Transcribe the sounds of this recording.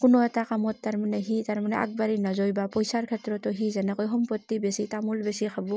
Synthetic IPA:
kunɔɛtakamɔtːaɾmaneɦitaɾmaneʔa̰k̚baɾinazɔjbapɔjsaɾkʰɛtɾɔtɔɦizɛnakɔjɦɔmpɔtːibesitamulbesikʰabɔ

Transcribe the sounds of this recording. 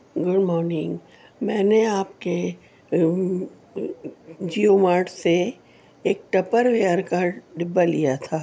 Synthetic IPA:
ɡʊɖmɔːɾnɪ̃ŋɡ | mɛ̃ːneaːp̚ke | d͡ʒiomaːɾʈse | eːk̚ʈɐpəɾʋijaːɾkaːɾɖɪbːalijat̪ʰaː

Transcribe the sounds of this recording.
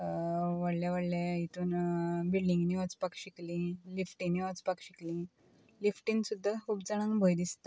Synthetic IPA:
ʋəɽljaʋəɽlait̪unbilɖĩŋɡniʋət͡spakɕiklĩlifʈĩniʋət͡spakɕiklĩ | lifʈĩnsud̪ʱːakʰuːbd͡zaɽ̃anbʱəjd̪ist̪a

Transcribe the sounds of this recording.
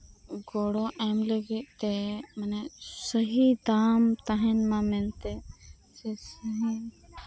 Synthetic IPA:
ɡɔɽɔʔɛmləɡit̪̚t̪ɛmanɛsəɦid̪aːmt̪aɦɛnmãmɛnt̪ɛ | sɛsəɦi

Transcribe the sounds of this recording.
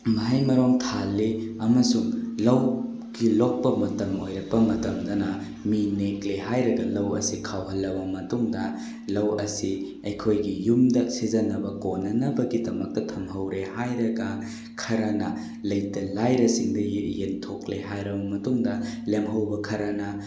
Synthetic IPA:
mɐɦɐjmɐɾoŋtʰalːiɐmɐsuŋlɐw | ɡilok̚pɐmɐtɐmo̰jɾɐpɐmɐtɐmdɐnɐ | minekleɦajɾɐɡɐlɐwɐ̰sikʰawɦɐlːɐbɐmɐtuŋdɐ | lɐwɐsi | ɐjkʰojɡijumdɐsizɐnɐbɐkonːɐnɐbɐɡidɐmɐk̚tɐtʰɐmɦɐwɾehajɾɐɡɐ | kʰɐɾɐnɐ | lɐjtɐlajɾɐsiŋdɐjjentʰokleɦajɾɐbɐmɐtuŋdɐlemɦɐwbɐkʰɐɾɐnɐ

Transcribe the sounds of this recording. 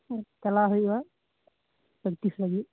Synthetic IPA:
kɛlaɦojua | bək̚t̪islaɡi

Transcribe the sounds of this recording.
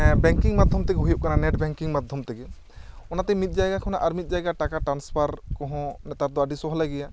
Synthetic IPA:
bɛŋkiŋmad̪ʱjɔmt̪ɛkeɦujip̚kananɛʈbɛŋkiŋmad̪ʱjɔmt̪ɛkɛ | ɔnat̪ɛmit̪̚ˀd͡ʒajɡakʰɔnaʔaɾmit̪̚ˀd͡ʒajɡaʈakaʈɾanspʰaɾkɔ̃ɦɔ̃nɛt̪aɾd̪ɔaɖisɔɦɔlaɡɛja

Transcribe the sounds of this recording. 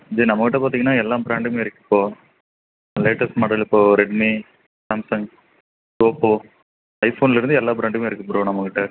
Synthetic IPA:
d͡ʒiːnɐmːɐkːɪʈːɐpaːt̪iːŋɡɐnːaːɛlːãːbɾaːɳɖɯmeːɪɾɯkːɯ̥pːoː | leːʈɐsmɐɽɐlɪpːoːɾɛɖmi | saːmsɐŋɡ | ʈoːpːo | ɐɪfoːnɪlɪɾɯnd̪ɯɛlːaːbɾaːɳɖɯmeːɪɾɯkːɐpːʊːɾõnɐmːɐkːɪʈːɐ

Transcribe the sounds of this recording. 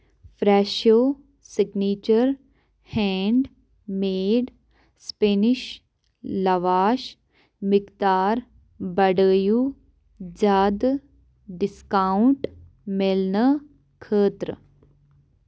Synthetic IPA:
fɾɛːʃoː | sɪɡniːt͡ʃəɾ | hɛ̃ːɳɖ | meːɖ | speːnɪʃ | lɐʋaːʃ | mɪkt̪aːɾ | bɐɖəːju | d͡ʒaːd̪ | ɖɪskaːʊɳʈ | melnə | kʰəːt̪ɾə̰

